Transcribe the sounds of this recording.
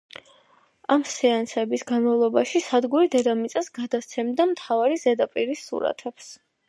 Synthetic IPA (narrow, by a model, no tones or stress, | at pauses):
amsɛansɛbisɡanmavlˠɔbaʃisad̪ɡuɾid̪ɛd̪amit̪sʼasɡad̪ast̪sʰɛmd̪amt̪ʰavaɾizɛd̪apʼiɾisːṵɾa̰t̪ʰɛps